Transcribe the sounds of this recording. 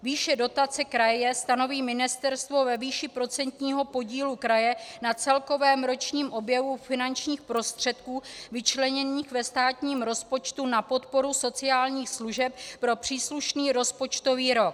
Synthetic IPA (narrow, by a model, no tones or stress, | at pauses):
viːʃɛdo̞t̪at͡sɛkɾajɛst̪ano̞viːmɪnɪst̪ɛɾst̪vo̞vɛviːʃɪpɾo̞t͡sɛnt̪ɲiːɦo̞po̞ɟiːlukɾajɛnat͡sɛlko̞vɛːmɾo̞t͡ʃɲiːmʔo̞bjɛvufɪnant͡ʃɲiːxpɾo̞st̪r̝̥ɛt̪kuːvɪt͡ʃlɛɲɛniːxvɛst̪aːt̪ɲiːmɾo̞spo̞t͡ʃt̪unapo̞t̪po̞ɾuso̞t͡sɪaːlɲiːxsluʒɛp̚pːɾo̞pr̝̥iːsluʃniːɾo̞spo̞t͡ʃt̪o̞viːɾo̞k